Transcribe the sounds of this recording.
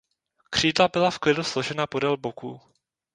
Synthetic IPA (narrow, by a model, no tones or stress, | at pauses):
kr̝̥iːdlabɪlafklɪduslo̞ʒɛnapo̞dɛlbokuː